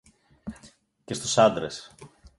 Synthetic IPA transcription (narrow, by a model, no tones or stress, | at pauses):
ce̞st̪usɐnd̪ɾes